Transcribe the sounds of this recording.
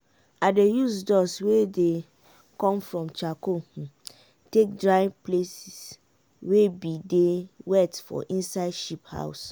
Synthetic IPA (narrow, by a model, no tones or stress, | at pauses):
adejusdɔswede | kɔ̃mfɹɔ̃mt͡ʃako | tek̚dɹaɪplesis | webidewɛtfɔ̰ʔĩnsaɪdʃipha̰ʊs